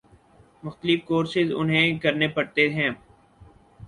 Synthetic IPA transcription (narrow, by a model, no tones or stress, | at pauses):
mʊxt̪əlɪfkoːɾsɪzʊ̰nɦẽːkəɾnepɐɽt̪eɦɛ̃ː